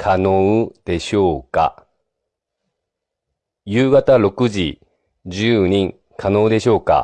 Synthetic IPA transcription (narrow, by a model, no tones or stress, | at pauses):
kʰanoɯd̪̥e̞ɕo̞ːka̰ | jɯːɡat̪aɾo̞kɯ̟ʑi | d͡ʑɨːɲ̟ĩŋ | kʰano̞ːd̪e̞ɕo̞ːka̰